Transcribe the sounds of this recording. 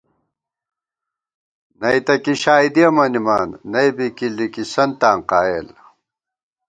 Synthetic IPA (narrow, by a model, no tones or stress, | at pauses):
nɐjt̪ɐkiɕaːid̪iɐmɐnimaːnːɐjbikilikisɐnt̪aːŋqaːel